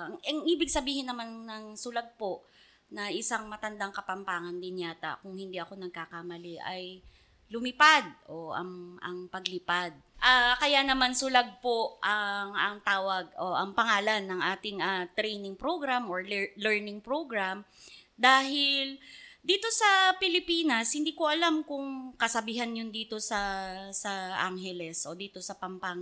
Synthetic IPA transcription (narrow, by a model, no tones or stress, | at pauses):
ɐŋɐŋʔiːbɪɡsɐbiːhɪnːɐmannɐŋsʊlaɡ̚po̞ʔ | nɐʔɪsaŋmɐt̪ɐnd̪aŋkɐpɐmpaːŋɐnd̪ɪnjaːt̪a̰kʊŋhɪnd̪iʔɐko̞nɐɡ̚kakamɐlɛʔɐj | lʊmɪpad̪̚ʔo̞ɐ̰ŋɐ̰ŋpɐɡlɪpad̪̚ʔakɐjanɐmansʊlaɡ̚poʔɐŋʔɐŋt̪aːwɐɡ̚ʔoʔɐŋpɐŋaːlɐnːɐŋʔaːt̪ɪŋʔat̪ɾɛjnɪŋpɾoɡɾamoɹlɛlɛɹnɪŋpɹoɡɾamd̪aːɦɪld̪iːt̪o̞sɐpɪlɪpiːnɐshɪnd̪iːkoʔɐlamkʊŋkɐsɐbiːɦɐnjʊnd̪iːt̪o̞sɐsɐʔa̰ŋɦɛlɛsʔo̞d̪iːt̪o̞sɐpɐmpaŋ